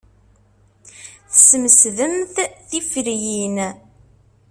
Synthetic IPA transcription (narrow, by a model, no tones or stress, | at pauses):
θəsməsðəmθθifɾjin